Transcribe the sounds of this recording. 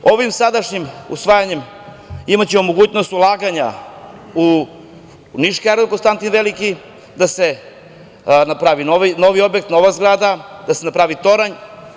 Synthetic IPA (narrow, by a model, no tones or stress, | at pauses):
o̞ʋimsad̪aʃɲimṵsʋaːjaɲe̞m | imat͡ɕeomo̞ɡuːt͡ɕno̞st̪ulˠaːɡaɲa̰ | u | niʃkaɾd̪ukonst̪ant̪inʋeliki | d̪ase | napɾaʋinoʋino̞ʋio̞bje̞k̚t̪no̞ʋazɡɾaːd̪ad̪asenapɾaːʋit̪o̞ɾaɲ